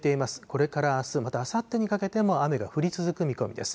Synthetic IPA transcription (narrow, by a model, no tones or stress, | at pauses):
t̪e̞imasɨ̥ko̞ɾe̞kaɾaːsɨmat̪aːsat̪ːe̞ɲ̟ikake̞t̪e̞mo̞ame̞ɡaɸɯ̟ɾʲit͡sɨzɨkɯ̟mʲiko̞mḭd̪e̞̰sɨ̥